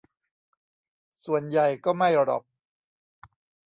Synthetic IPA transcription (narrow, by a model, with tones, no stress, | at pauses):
su˨˩ənja˨˩jkɔː˥˩ma˥˩jɾɔ̰˨˩p̚